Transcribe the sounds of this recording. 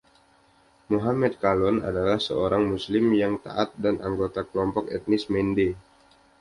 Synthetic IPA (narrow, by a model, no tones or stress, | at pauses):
muɦamɛt̪̚kalɔna̰dalahsə̰oɾaŋmuslɪmjaŋt̪a̰ʔat̪̚danʔaŋɡot̪akəlɔmpɔkɛt̪̚nɪsmɛnde